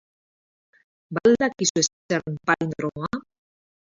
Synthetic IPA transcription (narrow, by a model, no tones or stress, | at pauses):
bald̪akisues | eɾmpajnd̪ɾoa